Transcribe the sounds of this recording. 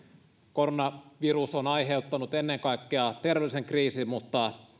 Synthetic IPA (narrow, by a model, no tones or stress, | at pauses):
ko̞ronɑʋirusonɑjɦe̞wt̪ːɑnut̪enːeŋkɑjkːeɑt̪e̞rʋeliseŋkriːsimmut̪ːɑ